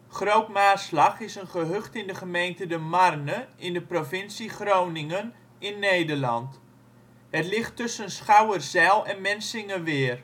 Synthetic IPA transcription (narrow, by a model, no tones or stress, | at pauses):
χrowtmaːslɑχɪsənχəɦøχtɪndəχəmejntədəmarnəɪndəprofɪnsiχrownɪŋən | ɪnːejdərlɑ̰nt | ɦətlɪχtɵsənsχawərzɛlˠɛnmɛnsɪŋəʋɪːr